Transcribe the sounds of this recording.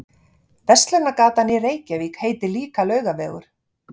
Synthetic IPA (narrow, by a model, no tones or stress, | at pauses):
vɛst̪lɛnakaːt̪anɪreːjcaviːkheːjt̪ɪliːkalœːɥɣavɛːɣʏ̰ɾ̥